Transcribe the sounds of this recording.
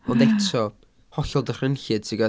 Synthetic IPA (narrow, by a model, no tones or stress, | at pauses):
ɔndɛtʰɔ | hɔɬɔlˠdər̥ənɬɨd̥siɡa